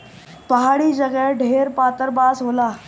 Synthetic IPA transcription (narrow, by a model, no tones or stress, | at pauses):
pəɦaɭiːd͡ʑəɡɛɖʱeɾpat̪əɾbasɦola